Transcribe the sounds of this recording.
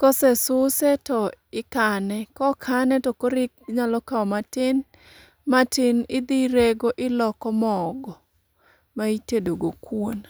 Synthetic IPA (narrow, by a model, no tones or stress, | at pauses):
kɔsɛsʊsɛtɔɪkanɛkɔkʰanɛtɔkoɾɪk̚ɲalɔkaɔmatɪn | matɪnɪd̪iɾeɡoʔɪlɔkɔmɔɡɔ | maitedoɡokwon